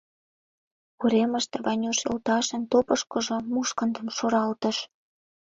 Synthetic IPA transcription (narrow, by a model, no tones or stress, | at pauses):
uɾeməʃt̪əvɑnʲoʃḛlt̪ɑʃə̆nt̪opəʃkɤ̆ʒŏmuʃkə̆nd̪ə̆mʃoɾɑlt̪ə̆ʃ